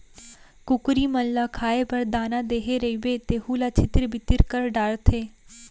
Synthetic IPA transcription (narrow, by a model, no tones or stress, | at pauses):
kʊkɾiːməllakʰaːepəɾd̪aːnãd̪eːɦeɾəibeːt̪eːɦuːlaːt͡ʃʰɪt̪ɪɾbʱɪt̪ɪɾkəɾɖaːɾt̪ʰeː